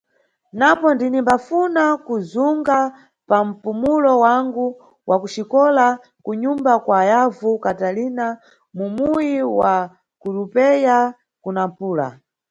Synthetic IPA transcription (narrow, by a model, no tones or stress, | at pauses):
napɔndinimbafunakuzuŋɡa | pam̩pumulɔwaŋɡu | wʔakut͡ʃikɔla | kuɲumbakwaːjavukatalina | mumuujiwa | kulupɛja | kunampuːla̰